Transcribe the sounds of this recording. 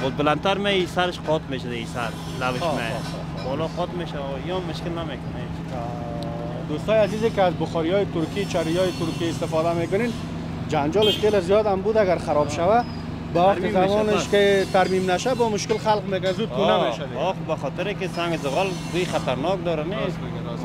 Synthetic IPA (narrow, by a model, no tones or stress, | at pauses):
bɔs̚bɪlant̪aɾmeisaɾɪʃqʰɔt̪meʃʊd̪aisaɾ | lawɪʃme | bɔlɔqɔt̪meʃa | iɔmːʊʃkɪlnamekʊne | d̪ost̪ɔjazizekɪazbʊxɔɾiɔjɪt̪ʊɾkit͡ʃaɾijɔjɪt̪ʊɾkiɪst̪ɪfɔd̪amekʊnen | d͡ʒand͡ʒɔlɪʃxelezijɔd̪ambud̪aɡaɾχaɾɔbʃawa | bawaqt̪ɪt̪amɔnɪʃkɪt̪aɾmimnaʃabɔmʊʃkɪlxalqmekʊnzud̪kunae | ɔxbaxɔt̪ɪɾɪkɪsaŋɡɪzɪɣɔlɡ̪ujχat̪aɾnɔk̚d̪ɔɾane